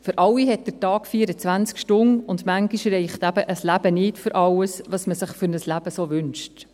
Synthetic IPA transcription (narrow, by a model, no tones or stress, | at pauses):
fʏɾʔɑwiɦɛt̚d̥ətɑːkfiːɾət͡sʋænt͡skʃtʊnʊndmæŋɡiʃɾɛɪχt̪æb̥əʔəslæb̥ənɪtfʏɾʔɑwəsʋɑsməsɪχfʏɾnəslæb̥əsoːʋʏnʃt